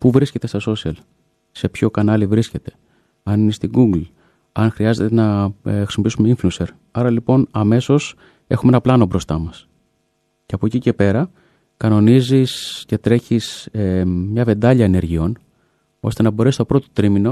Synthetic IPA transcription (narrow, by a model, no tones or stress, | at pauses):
puvɾisce̞t̪e̞st̪ɐso̞siɐl | se̞pço̞kɐnɐlivɾisce̞t̪e̞̥ | ɐninest̪iɡuɡl | ɐnxɾiɐze̞t̪enɐxɾisimo̞pisume̞iɱfluse̞ɾ | ɐɾɐlipo̞nɐme̞so̞s | e̞xumeenɐplɐno̞bɾo̞st̪ɐmɐs | ce̞ɐpocice̞pe̞ɾɐ | kɐno̞nizisce̞t̪ɾe̞çisemɲɐve̞nd̪ɐʎɐene̞ɾʝio̞n | o̞st̪e̞nɐbo̞ɾe̞sist̪o̞pɾo̞t̪o̞̥t̪ɾimino̞